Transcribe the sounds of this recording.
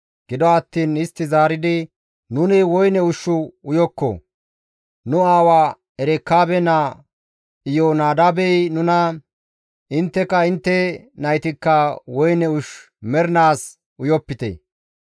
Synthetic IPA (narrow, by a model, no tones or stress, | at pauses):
ɡ̥ɪd̪ɔɐt̪ːiːnɪst̪ːɪzaːɾɪd̪ɪ | nʊnɪwɔjnɛʊʃːʊʊjɔkːɔ̰ | nʊaːwaː | ɛɾɛkːaːbɛna | ɪjonaːd̪abɛjnʊnɐ | ʔɪnt̪ːɛkːɐɪnt̪ːɛnɐjt̪ɪkːɐwɔjnɛʊʃ | mɛɾnaːs | ʊjɔpːɪt̪ɛ̰